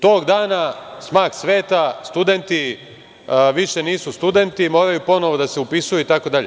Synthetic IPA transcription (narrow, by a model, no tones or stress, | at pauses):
t̪o̞ːɡd̪aːnasmaːksʋe̞ːt̪ast̪ud̪e̞nt̪i | ʋiʃe̞niːsust̪ud̪e̞nt̪imo̞ːɾajupo̞no̞ʋod̪aseupisujuit̪ako̞d̪aʎe